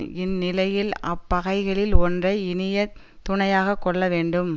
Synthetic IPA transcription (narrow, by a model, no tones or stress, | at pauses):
ɪnːɪlɐjɪlɐ̰pːɐɣɐɪɣɐɭɪlɔndrɐɪɪnɪjɐ | t̪ʊɳɐjaːɣɐkːɔɭːɐʋeːɳɖɯm